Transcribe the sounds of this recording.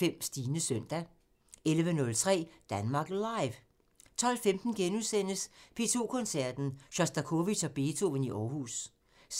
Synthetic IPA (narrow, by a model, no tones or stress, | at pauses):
em̰sd̥iːnəsœn̰d̥æ | elʋənɔ̽lt͡sʰʁɛ̰ːd̥ænmɑ̈ːɡ̥lɑ̈ɪʋ | t͡sʰɒ̽l̰femd̥n̩ɡ̥enusen̰əspʰe̝̰ːt͡sʰo̝̰ːkʰɔ̽nsæɐ̰d̥n̩ɕɒsd̥ɐkʰo̝ʋi̥ɒ̽b̥e̝ːt͡sʰo̝̰ʋəniʔɒːhṵːs